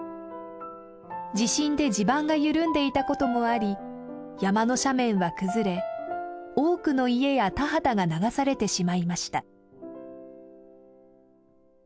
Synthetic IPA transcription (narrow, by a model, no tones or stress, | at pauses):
d͡ʑiɕĩnd̪e̞d͡ʑibãŋɡajɯ̟ɾɯ̟̃nd̪e̞it̪ako̞t̪o̞mo̞aɾʲi | jamano̞ɕamẽ̞ɰ̃βakɯ̟zɨɾe̞ | o̞ːkɯ̟no̞ie̞jat̪aɦat̪aɡanaɡasaɾe̞t̪e̞ɕimaimaɕi̥t̪a